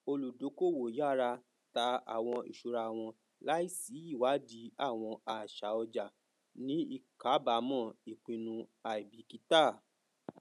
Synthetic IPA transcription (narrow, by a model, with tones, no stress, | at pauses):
o˧lu˨do˨˦ko˦˨wo˨ja˦˨ɾa˧ | ta˧a̰˨w̃ɔ̃˧ḭ˨ʃu˨ɾa˧˨w̃ɔ̃˧ | la˦i˦˨si˨˦i˦˨wa˨˦di˨˧˦a˦˨w̃ɔ̃˧a˧˨ʃa˨˦ɔ˧d͡ʒa˨ | nĩ˦i˦˧ka˨˦ba˨˦mɔ̃˦˨i˨k͡pĩ˧nũ˧a˧i˨bi˨˦ki˨˦ta˦˨